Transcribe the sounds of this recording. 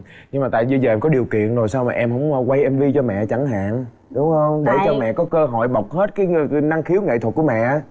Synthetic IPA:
ɲɨ˧ŋmaː˨˩t̪a̰ː˧˨jɓi˧zəː˨˩ʔɛ˧mkɔ˨˦ɗi˨˩əwkḭ˧˨ənzo˨˩jsaː˧wmaː˨ʔɛ˧mhɦə̰˧˥wŋ͡mkwa˧jʔɛ˧mvi˧t͡ɕɔ˧mɛ̰˧˨t͡ɕa˧˩ŋɦa̰ː˧˨n | ɗʊ˨˦ŋ͡mhə˧wŋ͡mɗe˧˩t͡ɕɔ˧mɛ̰˧˨kɔ˨˦kəː˧ɦɔ̰˧˨jɓə˨˩wk͡p̚he˦˥t̚kaː˨˦jna˧ŋxi˨˦əwŋḛ˧˨t̪ʰwə˨˩t̚ku˧˩mɛ̰˧˨˦

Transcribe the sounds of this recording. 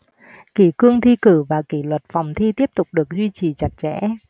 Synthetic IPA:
ki˧˩kɨ˧əŋt̪ʰi˧kɨ˧˩vaː˨˩ki˧˩lwə˨˩t̚fa˨˩wŋ͡mt̪ʰi˧t̪i˦˥əp̚t̪ʊ˨˩k͡p̚ɗɨ˨˩ək̚zwi˧t͡ɕi˨˩t͡ɕa˨˩t̚t͡ɕɛ̰˧˥

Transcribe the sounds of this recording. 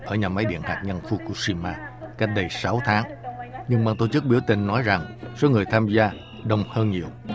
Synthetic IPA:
ʔəː˧˩ɲaː˨˩ma˨˦jɗḭ˧˨ənhaː˨˩k̚ɲa˧nfu˧ku˧˩əsi˧maː˧ka˦˥jt̚ɗə˧jsa˨˦wt̪ʰaː˨˦ŋɲɨ˧ŋɓaː˧ŋt̪o˧˩t͡ɕɨ˦˥k̚ɓi˧˩əwt̪ï˧˩ŋ̟nɔ˨˦jza˨˩ŋso˨˦ŋɨ˨˩əjt̪ʰaː˧mzaː˧ | ɗə˨˩wŋ͡mhəː˧nɲi˨˩əw

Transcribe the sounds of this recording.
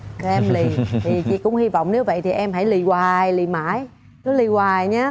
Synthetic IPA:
ʔɛ˧mli˨˩t̪ʰi˨˩t͡ɕḭ˧˨kʊ̰˧˥ŋ͡mhi˧vɔ̰˧˨wŋ͡mne˨˦wvə̰˧˨jt̪ʰi˨˩ʔɛ˧mɦa˧˩jli˨˩waː˨˩jli˧˨˩maː˧˩˥j | kɨ˨˦li˧˨˩waː˨˩jɲaː˨˦

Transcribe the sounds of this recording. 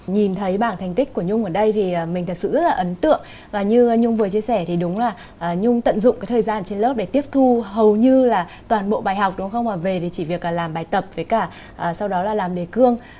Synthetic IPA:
ɲi˨˩nt̪ʰə˨˦jɓaː˧˩ŋt̪ʰɛ˨˩jŋ̟t̪ï˦˥k̟̚ku˧˩əɲʊ˧ŋ͡mʔəː˧˩ɗə˧jt̪ʰiː˨˩˨mï̟˨˩t̪ʰə˨˩t̚sɨ̰˧˨zə˦˥t̚laː˨ʔə˨˦nt̪ɨ̰˧˨əŋ | vaː˨˩ɲɨ˧ɲʊ˧ŋ͡mvɨ˨˩ət͡ɕi˧əsɛ˧˩t̪ʰi˨˩ɗʊ˨˦ŋ͡mlaː˨˩ | ʔəː˨˩ɲʊ˧ŋ͡mt̪ə̰˧˨nzʊ̰˧˨ŋ͡maː˨˦jt̪ʰːjzaː˧nt͡ɕe˧nlo˦˥p̚ɗe˧˩t̪i˦˥əp̚t̪ʰu˧ɦə˨˩wɲɨ˧laː˨˩t̪waː˨˩nɓo̰˧˨ɓaː˨˩jɦa˨˩wk͡p̚ɗʊ˨˦ŋ͡mxə˧wŋ͡maː˨˩ve˨˩t̪ʰi˨˩t͡ɕi˧˩vi˨˩ək̚la˨˩laː˨˩mɓaː˨˩jt̪ə˨˩p̚vəː˨˦jkaː˧˩ | ʔəː˨˩sa˧wɗɔ˨˦laː˨˩laː˨˩mɗe˨˩kɨ˧əŋ

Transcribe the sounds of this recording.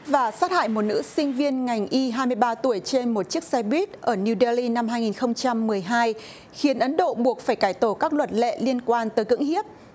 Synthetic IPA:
vaː˨˩saː˦˥t̚ha̰ː˧˨jmo˨˩t̚nɨ̰˧˥sï˧ŋ̟vi˧ənŋa˨˩jŋ̟ʔi˧ɦaː˧jmɨ˧əjɓaː˧t̪u˧˩əjt͡ɕe˧nmo˨˩t̚t͡ɕi˦˥ək̚sɛ˧ɓwi˦˥t̚ʔəː˧˩ni˧ɗə˧li˧na˧mɦaː˧jŋi˨˩nxə˧wŋ͡mt͡ɕa˧mːɨ˨˩əjɦaː˧j | xi˨˦ənʔə˨˦nɗo̰˧˨ɓu˨˩ək̚faː˧˩jkaː˧˩jt̪o˧˩kaː˦˥k̚lwə˨˩t̚lɛ̰˧˨li˧ənkwaː˧nt̪əː˨˦jkɨ̰˧˥ŋhi˦˥əp̚

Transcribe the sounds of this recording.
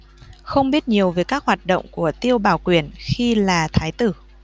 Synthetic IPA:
xə˧wŋ͡mɓi˦˥ət̚ɲi˨˩əwveː˨˩jkaː˦˥k̚hwaː˨˩t̚ɗo̰˧˨wŋ͡mku˧˩ət̪i˧əwɓaː˧˩wkwi˧˩ənxi˧laː˨˩t̪ʰaː˨˦jt̪ɨ˧˩

